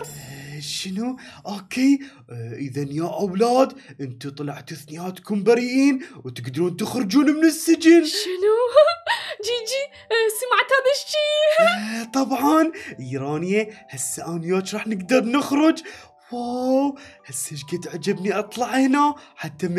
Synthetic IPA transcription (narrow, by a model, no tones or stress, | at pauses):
ʃɪnuʔoːkʰeː | ʔəðanjaʔawlaːd̪ʔɪnt̪it̪ˤɑlɑʕt̪aθnɪjaːt̪kʊmbaɾiʔiːnwt̪ɪɡd̪ɑɾuːnt̪ɪxɾɪd͡ʒuːnmɪnɪsːɪd͡ʒɪnʃɪnu | d͡ʒid͡ʒi | samaʕt̪haðaʃt͡ʃiː | t̪ˤɑbʕɑnɪːɾɑːnɪjahasːaʔaːnɪjaːt͡ʃɾˤɑːħnɪɡd̪ɑɾˤnɪxɾʊd͡ʒ | wawhasːɪd͡ʒɡat̪ʕad͡ʒabniʔɑt̪ˤlɑʕhɪnaħat̪ːam